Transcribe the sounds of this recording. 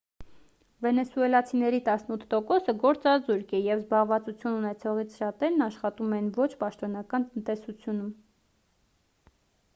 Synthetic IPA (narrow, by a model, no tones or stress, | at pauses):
vɛnɛsuɛlɑt͡sʰinɛɾit̪ɑsnut̪ʰt̪ɔkɔsəɡɔɾt͡sɑzuɾkɛjɛvzbɑʁvɑt͡sut͡sʰjununɛt͡sʰɔʁit͡sʰʃɑt̪ɛɾnɑʃχɑt̪umɛnvɔt͡ʃʰpɑʃt̪ɔnɑkɑnt̪ənt̪ɛsut͡sʰjunum